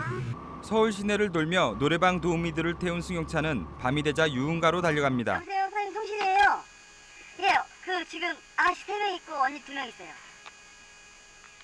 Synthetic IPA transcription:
sʰʌuɭɕ̬ʰine̞ɾɯɭtoɭmjʌnoɾe̞baŋtomidɯɾɯɭtʰe̞unsʰuŋjʌŋt͡ɕʰanɯnpamide̞d͡ʑajuːnɡaɾotaʎːʌɡamɲida̰s̬ʰejosʰʌintʰoŋɕʰiniejo | jekɯt͡ɕiɡɯm | aɕʰi̥sʰemjʌŋik̚k͈oʌɲitumjʌŋis͈ʌjo

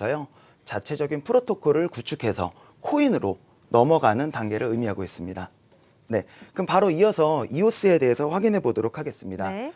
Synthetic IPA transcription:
ʌjo | t͡ɕat͡ɕʰe̞d͡ʑʌɡinpʰɯɾotʰokʰoɾɯɭkut͡ɕʰukʰe̞sʰʌ | kʰoinɯɾo | nʌmʌɡanɯntaŋɡe̞ɾɯɾɯmiɦaɡois͈ɯmɲida | ne̞kɯmpaɾoiʌsʰʌios͈ɯe̞de̞ɦesʰʌɸwaɡinɦe̞bodoɾokʰaɡe̞s͈ɯmɲida

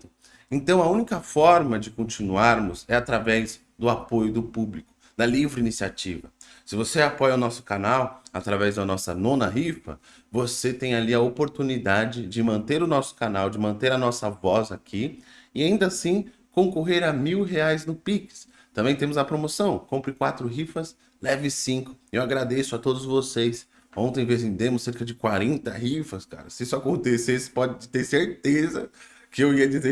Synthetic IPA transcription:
ẽnt̪ɐ̃w̃ɐũnikɐfɔɾmɐd͡ʒɪkõt͡ʃinuaɾmʊzɛat̪ɾavɛz | d̪ʊapojʊd̪ʊpublikʊ̥ | d̪ɐlivɾɪinisiat͡ʃivɐ̰ | sɪvoseapɔjɐʊnɔsʊ̥kanawa̰t̪ɾavɛzd̪ɐnɔsɐ̰nõnɐɦifɐ̰ | voset̪ẽj̃aliɐopoɾt̪unid̪ad͡ʒɪd͡ʒɪmɐ̃nt̪eɾʊnɔsʊ̥kanawd͡ʒɪmɐ̃nt̪eɾɐnɔsɐvɔzakʰiɪaĩnd̪ɐsĩ | kõŋkoɦeɾɐmiwɦeajznʊpikɪ̥s | t̪ɐ̃bẽj̃t̪ẽmʊzɐpɾomosɐ̃w̃kõmpɾɪkwat̪ɾʊɦifɐs | lɛvɪsĩŋkʊ̥ewaɡɾad̪esʊɐt̪od̪ʊzvosejs | õnt̪ẽj̃vezvẽd̪ẽmʊsːeɾkɐd͡ʒɪkwaɾẽnt̪ɐɦifɐska̰ɾɐsɪisʊakõnt̪esesɪ̥pɔd͡ʒɪd͡ʒɪt̪eɾseɾt̪ezɐ | kɪewiɐd͡ʒizeɾ

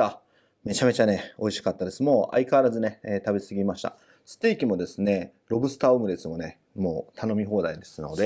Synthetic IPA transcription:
a | me̞t͡ɕame̞t͡ɕane̞o̞iɕi̥kat̪ːad̪e̞sɨmo̞ːʔa̰ikaːɾazɨne̞eːt̪abesɨɡʲimaɕi̥t̪a̰ | sɨ̥t̪ːeikʲimo̞d̪e̞sɨne̞ | ɾo̞bɯ̟sɨ̥t̪aːomɯ̟d̪et͡sɨmo̞ne̞ | mo̰ːt̪ʰano̞mʲiɦo̞ːd̪aid̪e̞sɨno̞d̪e̞

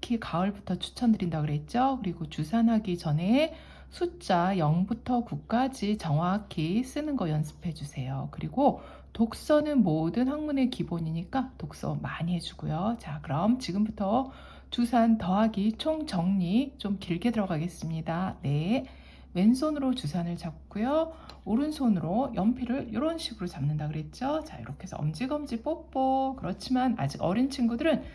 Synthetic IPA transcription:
kʰikaʌɭbutʰʌt͡ɕʰu̥t͡ɕʰʌndɯɾindaɡɯɾe̞t̚t͡ɕ͈okɯɾiɡot͡ɕusʰanɦaɡit͡ɕʌne | sʰut͡ɕ͈ajʌŋbutʰʌkuk̚k͈ad͡ʑit͡ɕʌŋwakʰes͈ɯnɯnɡʌjʌnsʰɯ̥pʰe̞d͡ʑusʰe̞jokɯɾiɡo | tok̚s͈ʌnɯnmodɯnhaŋmune̞kiboɲiɲik͈atok̚s͈ʌ̰maɲiɦe̞d͡ʑuɡujot͡ɕakɯɾʌmt͡ɕiɡɯmbutʰʌ | t͡ɕusʰantʌɦaɡit͡ɕʰoŋt͡ɕʌŋɲit͡ɕ͈omkiɭɡedɯɾʌɡaɡe̞s͈ɯmɲidane̞ | we̞nsʰonɯɾot͡ɕusʰanɯɭt͡ɕap̚k͈ujooɾɯnsʰonɯɾojʌmpʰiɾɯɭɾjoɾʌnɕʰiɡɯɾot͡ɕamnɯndakɯɾe̞t̚t͡ɕ͈ot͡ɕa̰ḭɾʔʌkʰe̞sʰʌʌ̰md͡ʑiɡʌmd͡ʑip͈ok̚p͈okɯɾʌt͡ɕʰimana̰d͡ʑiɡʌ̰ɾint͡ɕʰiŋɡudɯɾɯn

